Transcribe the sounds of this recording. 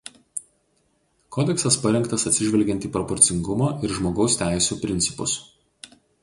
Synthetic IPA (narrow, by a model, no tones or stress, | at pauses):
kʰɔːd̪ʲɛksɐspɐɾʲɛŋkt̪ɐsɐt̪ʲsʲɪʒʲʋʲɛlʲɡʲɛnt̪iːpɾɔpɔɾʲt̪sʲɪŋɡʊmɐːʔɪɾʒmoːɡɒʊst̪ʲæˑɪsʲuːpʲɾʲɪnʲt̪sʲɪ̥pʊs